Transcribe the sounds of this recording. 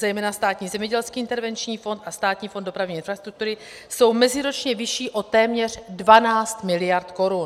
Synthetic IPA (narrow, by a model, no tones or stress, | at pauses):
zɛjmɛːnast̪aːt̪ɲiːzɛmɲɛɟɛlskiːʔɪnt̪ɛɾvɛnt͡ʃɲiːfo̞nt̪ast̪aːt̪ɲiːfondo̞pɾavɲiːɪnfɾast̪ɾuk̚t̪uɾɪ | so̞wmɛzɪɾot͡ʃɲɛvɪʃiːʔo̞t̪ɛːmɲɛr̝dvanaːst̪mɪlɪjaɾt̪ko̞ɾun